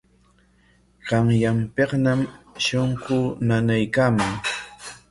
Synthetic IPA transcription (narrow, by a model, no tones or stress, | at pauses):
ɢɑŋjampeqnamʃoɴɢʊnanajkaːmaŋ